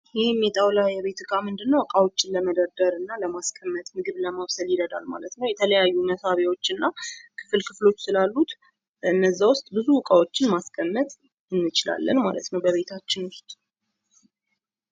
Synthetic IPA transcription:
jɪhemːɛt̪ʼawlajɛβe̞t̪ʰɨkʼamɨnd̪ɨnːəwkʼawot͡ʃːɪnləməd̪əɾd̪əɾɨnːaləmaskʰʼəmːət̪ʼmɨɡɨβləmawsəljɪd̪əd̪a̰lma̰lət̪nəwjɛt̪ʰələjajːunəsaβewo̞t͡ʃːɨnːakʰɨ̥fɨlkʰɨflo̞t͡ʃːsɨlalːut̪ | ɨnːəzːawʊst̪ʼbɨzuwɨkʼawo̞t͡ʃːɪnmaskʼʰəmːət̪ʼ | ɨnːɨt͡ʃɪla̰lːə̰nma̰lə̰t̪nəwbəβe̞t̪ʰat͡ʃːɪnʊst̪ʼ

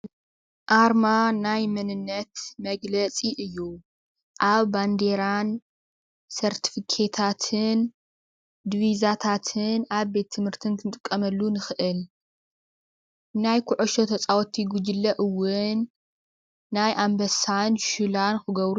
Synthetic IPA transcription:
ʔaɾmanajmɐnɨnːɐt̪mɐɡlɐt͡sʼiʔɨjːu | ʔaβband̪e̞ɾan | sɐɾt̪ʰi̥fikʰe̞t̪ʰat̪ʰɨn | d̪βizat̪ʰat̪ʰɨnaβbe̞t̪ʰːɨmhɨɾt̪ʰɨnkʰɨnt̪ʼɨkʼːɐmɐlːunɨxɨʔɨl | najkʰʊʕoʃot̪ʰɐt͡sʼawɔt̪ʰːiɡud͡ʒɨlːɐʔɨwːʊnː | ajʔambɐsanʃulankɨɡɐβɾu

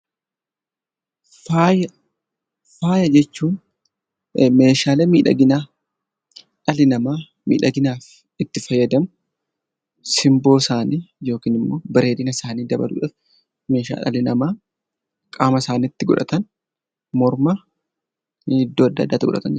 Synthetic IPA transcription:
fajɐ | faːjɐd͡ʒɛt͡ʃːuːn | meːʃaːleːmiːᶑɐ̰ɡɪna | ᶑɐlɪnɐmaː | mḭːᶑɐɡɪnaːf | ɪt̪ːɪfɐjːɐd̪ɐmʊ | sɪmbo̞ːsaːniːjo̞ːkiːnɪmːo̞ːbɐɾe̞ːd̪ɪnɐsaːniːd̪ɐbɐ̰lṵːᶑaːf | me̞ːʃa̰ːᶑɐ̰lɪnɐmaː | kʼaːmɐsaːniːɪt̪ːɪɡɔ̰ᶑɐ̰t̪ɐn | mɔɾmɐ | ɪd̪ːoːɐd̪ːɐ̰d̪ːaːt̪ːɪɡɔ̰ᶑɐ̰t̪ɐ̰nd͡ʒ

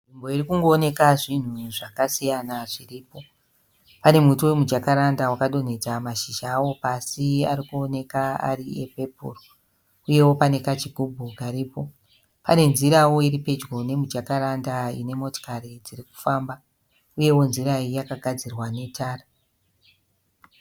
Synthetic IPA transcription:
ʐimbo̞irikuŋɡo̞ːne̞kaʐin̤uʐakasijanaʐiriːpo̞ | pane̞mutuwe̞mud͡ʒakaɾandawakaɗo̞n̤e̞d͡zamaʃiʒaːwo̞pasia̰ɾikuone̞kaa̰ɾiepe̞pṵro | uje̞wo̞pane̞kat͡ʃiɡʱubʱuɡaɾiːpo̞ | pane̞nziɾawo̞iɾipe̞d͡ʒɡo̞ne̞mud͡ʒakaɾandaine̞mo̞to̥kaɾid͡ziriku̥faːmba | uje̞wo̞nziraijakaɡʱad͡zirwane̞tʰaːra

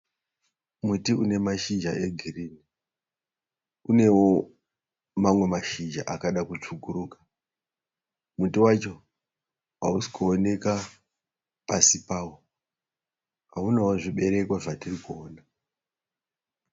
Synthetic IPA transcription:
mutiune̞maʃid͡ʒae̞ɡʱiriːni | une̞wo̞ | mamwe̞maʃid͡ʒa̰ʔakaɗakut͡ʂuɡʱuɾuːkḁ | mutiwat͡ʃo̞ | ausi̥kuone̞ka | pasipaːwo | ɦa̰unawoʐiɓe̞ɾe̞kwaʐatirikuoːna

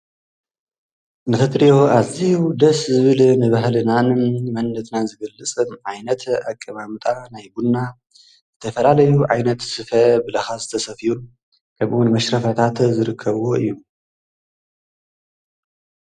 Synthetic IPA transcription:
nɨtʰɐt̪ɾioʔazid̪ɐszɨβɨlnɨβaɦlɨnanɨmmɐnːɐt̪ʰnazɨɡɐlːɨt͡sʼɨnʕajnɐt̪akʼːɐmamɨt̪ʼanajbunːa | zɨt̪ʰɐfɐlalɐjuʕajnɐt̪sɨfɐbɨlɐxazɨt̪ʰɐsɐfijun | kʰɐmʔwnmɐʃɾɐfɐt̪ʰat̪zɨɾɨkʰːɐβwoʔɨ̰jːu

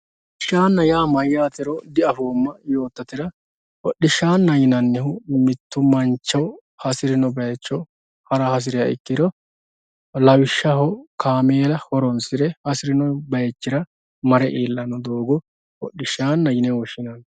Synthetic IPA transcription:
ɔ | ɪʃːaːnːɐjaːmɐjːaːt̪ɪɾɔd̪ɪɐfoːmːɐjo̞ːt̪ːɐt̪ɪɾɐ | ɔɗːɪʃːaːnːɐjɪnɐnːɛhʊmɪt̪ːʊmɐnt͡ʃːɐ | hɐsɪɾɪnɔbɐjɛt͡ʃːɔ | hɐɾɐhɐs̬ɪɾɪjɐɪ̰kːɪd̪ɔ | lɐwɪʃːɐhɔkaːmeːlɐhɔɾɔnsɪɾɛhɐsɪɾɪnɔbɐjɛt͡ʃːɪɾɐ | mɐɾɛʔeːlːɐnɔd̪o̞ːɡɔ | wɔɗːɪʃːaːnːɐjɪnɛwɔʃɪnɐn

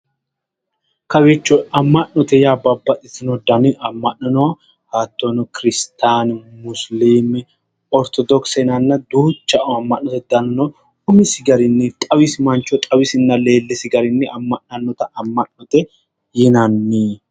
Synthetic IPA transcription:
kɐwet͡ʃːɔɐmːɐʔnːɔt̪ɛjaːbɐbːɐt̪ʼːɪsɪnɔd̪ɐnɪʔɐmːɐʔnɐnɔwɐ | haːt̪ːonɔkɪɾɪst̪aːnmʊsliːmɪ | ɔɾt̪ʰɔd̪ɔksɛnɐnːɐd̪uːt͡ʃːɐʔɐmːɐʔːɔt̪ɛd̪ɐnnɔ | ʊmɪsɪɡɐɾɪnːɛt̪ʼɐwɪsɪmɐnt͡ʃːɔt̪ʼɐwɪsɪnːɐle̞ːlːɪsɪɡɐɾɪnːɛʔɐmːɐʔɐnːɔt̪ɐɐmːɐnnɔt̪ɛ | jɪnɐnːi

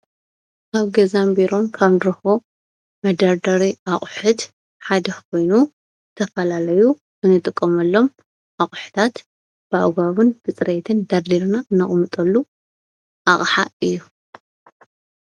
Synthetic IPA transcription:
kʰaβɡɐzambiɾo̞nkʰaβnɾɐxo | mɐd̪ɐɾd̪ɐɾiʔaχʼħɨd̪ | ħad̪ɐkʰo̞jnu | t̪ʰɐfɐlalɐju | ʔɨnɨt̪ʼɨkʼːɐmɐlːo̞m | ʔaχʼħɨ̥t̪ʰat̪ | b̥a̰ɡaβɨnɡɨt͡sʼɾet̪ʰɨnd̪ɐɾd̪iɾnaɨnːɐχʼmɨt̪ʼɐlːu | ʔaχʼħaɨjːu

